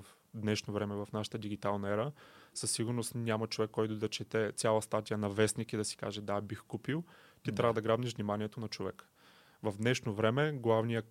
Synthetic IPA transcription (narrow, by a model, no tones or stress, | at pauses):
f | d̪nɛʃnovɾɛmɛvɐfnaʃə̥t̪əd̪iɡit̪alˠnɐɛɾəsəsːiɡʊɾnost̪nʲamət͡ʃovɛkːɔjt̪ʊd̪ɐt͡ʃɛt̪ɛt̪sʲjalˠəst̪at̪ijənɐvɛsnikid̪ɐsi̥ka̰ʒɛd̪abixkupilˠ | t̪it̪ɾʲavəd̪ɐɡɾabniʃʒvnimaniɛt̪onɐt͡ʃovɛk | vɐvd̪nɛʃnovɾɛmɛɡlˠavnijə